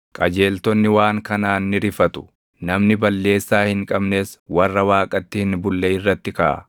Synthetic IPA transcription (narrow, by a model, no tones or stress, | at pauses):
kʼɐd͡ʒe̞ːlt̪ɔnːɪwaːŋkɐnaːnːɪɾɪfɐt̪ʊ̥ | nɐmnɪbɐlːe̞ːsːaːhɪŋkʼɐbne̞ːswɐrːɐwaːkʼɐt̪ːɪhɪnbʊlːɛɪrːɐt̪ːɪkɐʔɐ̰